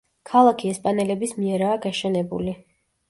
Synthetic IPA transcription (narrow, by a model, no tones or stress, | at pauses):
kʰalˠakʰiɛspʼanɛlɛbismiɛɾaːɡaʃɛnɛbṵli